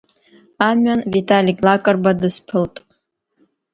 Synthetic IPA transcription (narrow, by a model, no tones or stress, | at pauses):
amɥanvitʰʼalʲikʲʼlakʼɨrbadɨspʰɨltʼ